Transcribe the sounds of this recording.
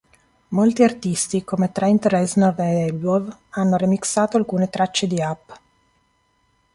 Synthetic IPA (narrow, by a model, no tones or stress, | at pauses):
molt̪iart̪ist̪ikomet̪ɾɛint̪ɾɛznɔveɛlovanːoɾimiksaːt̪oalkuːnet̪ɾat͡ʃːed̪iapː